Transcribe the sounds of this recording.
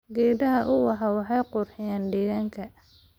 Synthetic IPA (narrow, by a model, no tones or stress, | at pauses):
ɡɛːdɐɦɐʔʊwɑɦɑwɑħɑjqʊrħɪjaːnɖɛːɣaːŋkʰɐ